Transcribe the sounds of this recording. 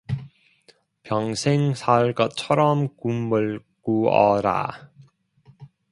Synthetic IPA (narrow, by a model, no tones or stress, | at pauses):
pjʌŋsʰeŋsʰaɭɡʌt̚t͡ɕʰʌɾʌmkumːɯɭkuʌɾa̰